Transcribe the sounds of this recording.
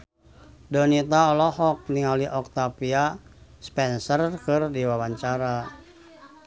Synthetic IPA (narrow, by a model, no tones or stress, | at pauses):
dɔnit̪aɔlɔɦɔk̚niŋaliʔɔk̚t̪apiaspɛnsərkɨrdiwawaɲt͡ʃaɾa